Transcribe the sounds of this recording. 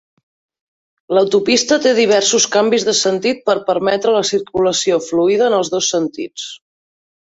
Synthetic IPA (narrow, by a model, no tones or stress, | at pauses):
ləwt̪upist̪ət̪eðiβ̞ɛrsuskambizðəsənt̪it̪̚pəɾpəɾmɛt̪ɾələsiɾkuləsiofluiðəːnəlˠzðosːənt̪ḭt͡s